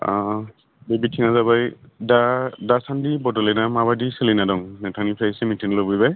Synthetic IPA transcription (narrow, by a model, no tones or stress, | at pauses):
a | bebitʰiŋazabajdadasandibɔdɔlɛnamabadiselinadɔŋnɛtʰanipʰasmitʰiŋlɔbɔjba